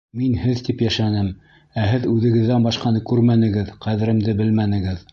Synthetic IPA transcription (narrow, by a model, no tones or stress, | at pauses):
minhɘðt̪ipjæʃænɘm | æɦɘðʉðɘ̆ɡɘ̆ðːænbɑʃqɑnɤkʉɾmænɘ̆ɡɘðqæðɘ̆ɾɘ̆md̪ɘbɘlmænɘ̆ɡɘð